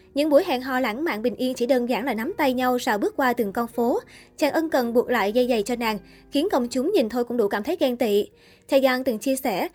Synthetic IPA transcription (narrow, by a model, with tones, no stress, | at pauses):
ɲɨ̰˧˥ŋɓu˧˩əjɦa̰˧˨nɦɔ̰˧˨la̰ː˧˥˩nma̰ː˧˨nɓï˨˩ŋ̟ʔi˧ənt͡ɕi˧˩ɗəː˧nzaː˧˩ŋla̰ː˧˩jna˨˦mt̪a˧jɲa˧wsaː˧˩wɓɨ˦˥ək̚kwaː˧t̪ɨ˨˩ŋkɔ˧nfo˨˦t͡ɕaː˨˩ŋʔə˧nkə˨˩nɓu˨˩ək̚la̰ː˧˨jzə˧jza˨˩jt͡ɕɔ˧naː˨˩ŋ | xi˨˦ənkə˧wŋ͡mt͡ɕʊ˨˦ŋ͡mɲi˨˩nt̪ʰo˧jkʊ̰˧˥ŋ͡mɗṵ˧˩kaː˧˩mt̪ə˨˦jɣɛ˧nt̪ḭ˧˨ | t͡ɕ̪ʰa˧˩jzaː˧˩nt̪ɨ˨˩ŋt͡ɕi˧əsɛ˧˩